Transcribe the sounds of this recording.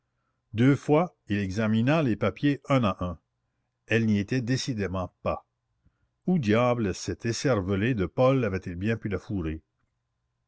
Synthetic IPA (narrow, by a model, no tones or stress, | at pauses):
d̪øːfwa | ilɛɡzaminalepapjeɛ̃naʔɛ̃ | ɛlniet̪ɛd̪esid̪emɑ̃pa | ud̪jaːbləsɛt̪ʰesɛʁvəled̪əpɔlavɛt̪ilbjɛ̃pylafuɾe